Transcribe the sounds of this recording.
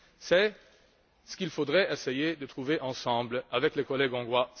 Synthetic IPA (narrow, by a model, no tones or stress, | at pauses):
sɛ | sə̥kilfod̪ʁɛʔesɛjed̪ət̪χuveʔɑ̃sɑ̃blavɛklekɔlɛɡɔ̃ɡʁwa